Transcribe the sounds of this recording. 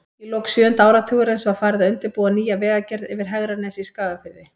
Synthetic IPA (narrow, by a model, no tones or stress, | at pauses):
ilowksjʏːʏnt̪aːwɾat̪ʰʏɣʏɾejnsvaɾfaːɾɪðaʏnt̪ɪɾpuːðaniːjavɛːɣacɛɾðɛvɪɾ̥ɦɛɣɾanɛsiskaːɣafɪɾðɪ